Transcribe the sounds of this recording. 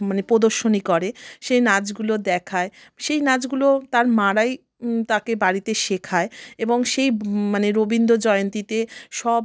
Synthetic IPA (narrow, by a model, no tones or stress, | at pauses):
manepod̪oɾʃonikɔɾeʃejnad͡ʑɡulod̪ɛkʰaeʃejnad͡ʑɡulot̪aɾmaɾaj | t̪akebaɾit̪eʃekʰaeeboŋʃejmaneɾobind̪od͡ʑɔeont̪it̪eʃɔb